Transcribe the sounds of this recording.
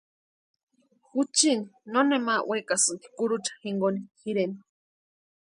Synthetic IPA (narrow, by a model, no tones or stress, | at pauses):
xut͡ʃininonemawʔekasɨnt̪i̥kuɾut͡ʃḁxiŋɡonixiɾeni